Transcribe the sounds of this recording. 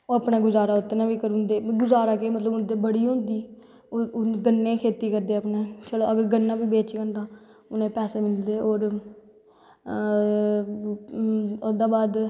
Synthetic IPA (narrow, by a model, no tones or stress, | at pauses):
oːəpnãːɡʊzaːɾaːʊt̪ːenaːʋiːkəɾũnd̪eːɡʊzaːɾaːkeːmət̪ləbʊnd̪eːbəɽiːɦõːnd̪iː | ɡənːẽːkʰeːt̪iːkəɾd̪eːəpnẽːt͡ʃəloːəɡəɾɡənːãːʋiːbeːt͡ʃɡənt̪ãː | ʊnẽːpɛːseːmɪld̪eːoːɾ | ʊd̪aːbaːd̪